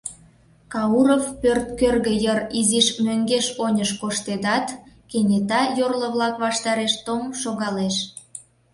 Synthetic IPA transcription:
kɑuɾofpørt̪̚kørɣə̆jəriziʃmøŋɡeʃonʲəʃkoʃt̪ed̪ɑt̪kenʲet̪ɑjorlə̆βlɑkβɑʃt̪ɑɾeʃt̪omʃoɣɑleʃ

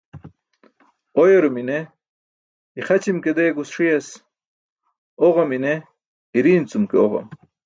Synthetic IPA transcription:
ojoɾumine | iχɐt͡ɕimked̪eːɡusʂiɐs | oʁomine | iɾiːnt͡sumkeoʁɐ̰m

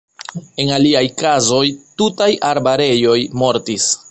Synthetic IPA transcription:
e̞naliajkazo̞jtutajaɾbaɾe̞jo̞jmo̞ɾtis

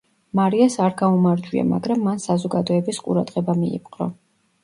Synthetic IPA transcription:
maɾiasaɾɡaumaɾd͡ʒwia̰ma̰ɡɾamːansazɔɡad̪ɔɛbisqʼṵɾad̪̥ʁɛbamiḭpʼqʼɾɔ

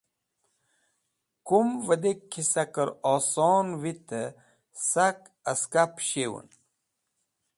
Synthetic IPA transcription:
kumvəd̪ekʰːisakəɾoːsoːnwit̪ə | sak | əskapɕewṵn

